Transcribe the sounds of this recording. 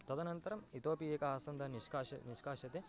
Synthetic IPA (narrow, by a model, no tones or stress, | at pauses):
t̪ɐd̪ɐnɐnt̪ɐɾɐmit̪oːpieːkɐaːsɐnd̪ɐniʃkaːʃɐniʃkaːʃɐt̪e